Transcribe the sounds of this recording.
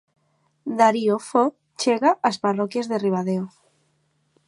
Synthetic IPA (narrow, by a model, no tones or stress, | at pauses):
d̪aɾiofo | t͡ʃeɣaʔasparokjazðeriβaðeo